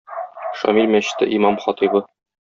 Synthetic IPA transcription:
ʃɒ̰milmæɕɘ̥̆t̪ːɘ̰ʔimɑmχɒt̪ibɤ

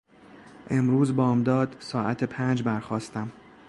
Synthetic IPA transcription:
ʔe̞mɾuːzbɒːmd̪ɒːd̪̥sɒːʔæt̪ʰepʰæːnd͡ʒbæɾxɒːst̪æm

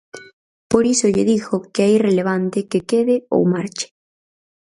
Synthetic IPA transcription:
poɾisʊʎɪðixokɪajreleβ̞ant̪ɪkekeðɪo̰wmaɾt͡ʃɪ̥

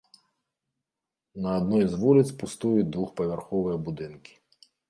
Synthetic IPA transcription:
nɐːd̪nɔjizʋulʲˠɪt̪sʲpʊst̪ujʊd̪ʋuxpɔʋʲɛrxɔʋʊjɛbud̪ɪnkʲɪ̥

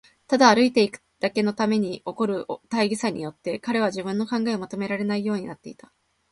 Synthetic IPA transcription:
t̪ad̪aːɾɯ̟it̪e̞ikɯ̥d̪̥ake̞no̞t̪ame̞ɲ̟io̞ko̞ɾɯ̟ot̪aiɡʲisaɲ̟ḭjo̞t̪ːe̞kaɾe̞β̞aʑibɯ̟̃nːo̞kãŋɡae̞omat̪o̞me̞ɾaɾe̞naijo̞ːɲ̟inat̪ːe̞it̪ḁ

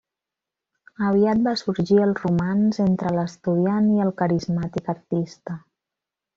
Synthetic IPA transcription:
əβ̞iat̪̚basuɾʒiəlˠrumanzent̪ɾələst̪uð̞ianiəlˠkəɾizmat̪ikəɾt̪ist̪ə

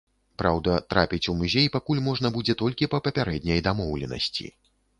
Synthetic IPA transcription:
pɾawd̪ɐt̪ɾapʲit͡sʲumuzʲejpakulʲmɔʐnɐbud͡zʲɛt̪ɔlʲkʲipɐpɐpʲaɾɛd̪̚ʲnʲɐjd̪amɔwlʲɛnɐ̰sʲt͡sʲḭ

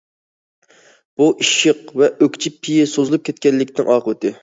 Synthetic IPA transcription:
b̥uʔiʃɪqvɛʔøkʲt͡ʃʰipʰːijɪsozɨlˠup̚kʲɛt̪kʲɛnlːɪkʲnɪŋʔɑːqəwɨt̪ʰɪ

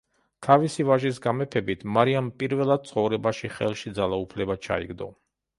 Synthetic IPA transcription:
t̪ʰavisivaʒis̬ɡamɛpʰɛbit̪ʰmaɾiampʼiɾvɛlˠad̪̚t̪sʰʼχɔvɾɛbaʃiχɛ̰lˠʃid̪zalˠaupʰlɛbat͡ʃʰa̰ḭɡd̪ɔ̰

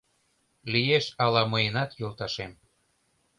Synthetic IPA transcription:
lijeʃɑlɑməjənɑt̪jolt̪ɑʃem

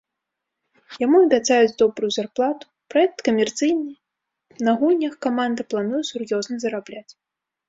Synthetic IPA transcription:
jamuɐbʲat̪sajut͡sʲd̪ɔbɾujuzarplˠat̪u̥ | pɾaɛk̚t̪kɐmʲɛrt̪sɨjnɨ | nɐɣulʲnʲɐxkamand̪ɨplˠanujɛsurjɔznɐzɐɾablʲat͡sʲ

